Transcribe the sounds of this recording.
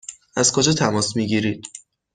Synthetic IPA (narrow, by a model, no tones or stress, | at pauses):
æzkʰod͡ʒɒːt̪ʰæmɒːsmiɟiːɾiːd̪̥